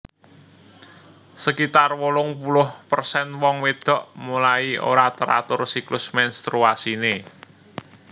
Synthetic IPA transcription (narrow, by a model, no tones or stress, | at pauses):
səkit̪arwolʊŋpulʊhpərsɛnwɔŋwed̪̥ɔ̤ʔmulaio̰ɾat̪əɾa̰t̪ʊrsiklʊsmɛnst̪ɾuasine